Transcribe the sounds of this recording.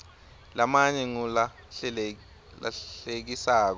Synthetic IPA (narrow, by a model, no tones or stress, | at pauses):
lamaɲɛŋula | a̰ɬek̬isaːk̬ɔ